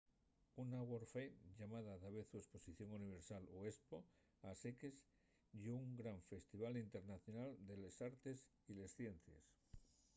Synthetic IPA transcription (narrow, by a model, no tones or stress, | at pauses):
unaɣwoɾfeʎamaðaðaβe̞θue̞spo̞siθjo̞ŋuniβ̞e̞ɾsaloespo | asekes | jouŋɡɾaɱfe̞st̪iβ̞alint̪e̞ɾnaθjo̞nald̪e̞lesaɾt̪e̞s | ile̞sθje̞n̟θjḛs